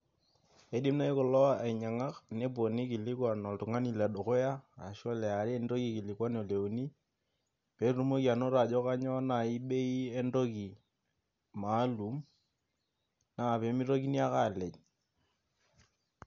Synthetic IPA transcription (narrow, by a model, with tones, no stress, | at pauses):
e˦di˦mna˦i˦kʊ˨lɔ˦a˨ɪ˨ɲa˨ŋa˦kne˦po˨ni˦kɪ˨lɪ˦kwa˨nɔ˨ltʊ˨ŋa˦ni˨la˨do˨ko˦ja˦a˨ʃɔ˦lɛ˨a˨ɾe˦e˦ndo˦ki˨ki˨lɪ˨kwa˦nɔ˨le˨u˨ni˦ | pe˨˦ru˦mo˦ki˨a˨no˦ɾa˨d͡ʒɔ˦ka˦ɲɔ˦na˨i˦ɓe˦i˦e˦ndo˦ki˨ | ma˨˦lu˨˦m | na˦˨pe˨˦mɪ˦ɾo˦k̬i˦ni˦a˦ka˦˨lɛ˨ɲ